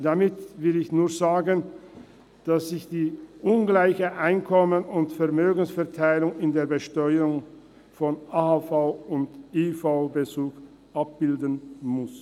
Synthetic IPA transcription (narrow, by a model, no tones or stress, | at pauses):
d̥amɪtvɪlɪçnuːɐzaːɡən | d̥asz̥ɪçd̥iːʔʊnɡlaɪçəʔaɪnkʰɔmənʊntfɛɐʁmøːɡən̩sfɛɐtʰaɪlʊŋɪndeːɐbəʃtɔʏəʊŋ | fɔnaːhafaʊʊndifaʊbət͡suːk | ʔap̚b̥ɪldənmʊs